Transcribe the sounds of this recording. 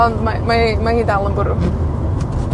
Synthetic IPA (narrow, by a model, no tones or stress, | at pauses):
ɔnmamaimahiːdalˠəmbʊɾəm